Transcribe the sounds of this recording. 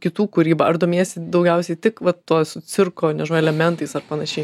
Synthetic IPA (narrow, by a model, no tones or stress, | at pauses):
kʲɪt̪uːkʊɾʲiːbɐɐɾd̪oːmʲeːsʲɪd̪ɒʊɡʲɛʊsʲɛɪt̪ʲɪkʋɐt̪toːsʊt͡s̪ʲɪrkoːnʲɛʒoːɛlʲɛmʲɛnt̪ɐɪsɐrpɐnɐʃʲɛɪ